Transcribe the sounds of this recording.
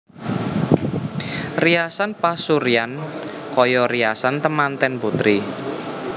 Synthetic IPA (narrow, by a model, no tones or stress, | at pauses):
riasanpasuɾian | kɔjɔriasant̪əmant̪ɛnput̪ɾi